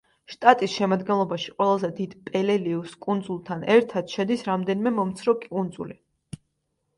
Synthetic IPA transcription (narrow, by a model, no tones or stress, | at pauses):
ʃt̪ʼat̪ʼisʃɛmad̪ɡɛnlˠɔbaʃi̥qʼwɛlˠazɛd̪id̪̥pʼɛlɛliuskʼund̪zulˠt̪ʰanɛɾt̪ʰad̪̥ʃɛd̪isɾamd̪ɛnimɛmɔmt̪sʰɾɔkʼund̪zṵli